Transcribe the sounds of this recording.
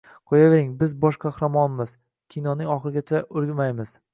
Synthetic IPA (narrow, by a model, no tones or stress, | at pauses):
qʰojaveɾɪŋbɪzbɒʃqʰahɾamɒnɪmɪz | kʲʰijnɒnɪŋɒχɨɾɪɡʲat͡ʃʰaʔʊɾɡʲɪmajmɪz̥